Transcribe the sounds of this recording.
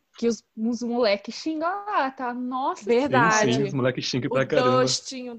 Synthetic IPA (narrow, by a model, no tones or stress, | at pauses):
kɪʊzũzmulɛkɪʃĩŋɡaat̪anɔsɐveɾd̪̃asd͡ʒĩʊɪzmulɛkɪʃĩŋɡɐppɾakaɐ̃bʃt͡ʃĩɲʊ